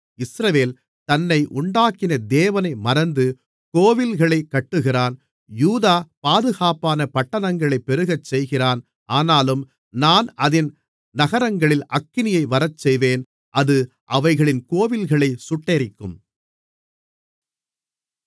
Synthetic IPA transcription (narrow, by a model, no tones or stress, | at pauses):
ɪsɾɐʋeːl | t̪ɐnːɐɪʔʊɳɖaːkɪnɐd̪eːʋɐnɐɪmɐɾɐnd̪ɯ | koːʋɪlɣɐɭɐɪkːɐʈːɯɣɪraːn | juːðaːpaːðɯɣaːpaːnɐpɐʈːɐnɐŋɡɐɭɐɪpːɛɾɯɣɐt͡ʃsɛjɣɪraːn | ʔaːnaːlɯm | naːnɐðɪn | nɐɣɐɾɐŋɡɐɭɪlʔɐkːɪnɪjɐɪʋɐɾɐt͡ʃsɛjʋeːn | ʔɐðɯ | ʔɐʋɐɪɣɐɭɪnkoːʋɪlɣɐɭɐɪsʊʈːɐɾɪkːɯm